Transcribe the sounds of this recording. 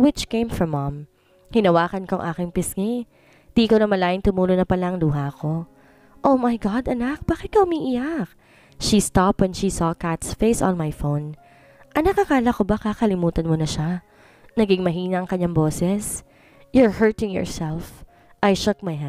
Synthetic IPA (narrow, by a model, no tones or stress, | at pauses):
wɪt͡ʃkẽjmfɹɔmːɐ̃m | hɪnɐwaːkɐnkoɐ̰ŋʔaːkɪŋpɪsŋi | d̪iʔkonɐmɐlaːʔɪnt̪ʊmuːlonɐpɐlaʔɐŋluːɦako̞ | ʔomajɡɑd̪ɐnak̚b̥aːkɪt̪̚kɐhʊmiːʔɪjak̚ | ʃist̪ɑpɛnʃisɔːkat̪sfeɪsɔ̰̃nmajfown | ʔɐnɐkakaːlɐkobakakɐlɪmuːt̪ɐnmonɐʃa | nɐɡɪŋmɐɦiːnɐʔɐŋkɐɲːaŋboːsɛs | jʊɹhɜɹt̪ɪ̃ŋjɔ̰ɹsɛlf | ʔajʃʊk̚majha